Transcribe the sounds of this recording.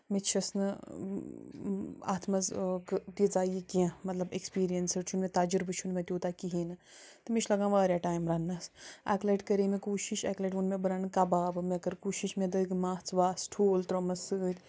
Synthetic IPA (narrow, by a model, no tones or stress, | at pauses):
met͡ʃʰɐsnɨ | a̰ːt̪ʰmɐzkt̪id͡zaːjikiãmɐt̪lɐbekspiːɾijɐnsɨɾt͡ʃʰunmet̪aːd͡ʒɨɾbɨt͡ʃʰunmẽt̪ʲjoːt̪aːkiɦiːnɨ | t̪ɨmiʃʰlɐɡãːʋaːɾʲjaːʈaːjimɾɐnːasa̰ːkleʈkɐɾeːmekuːʃiʃakleʈunmẽbɨɾaːnɨkɐbaːbɨmekɐɾkuːʃiʃmẽd̪ɐɡmaːt͡sʋaːsʈʰoːlt̪ɾomɐsɨdʲ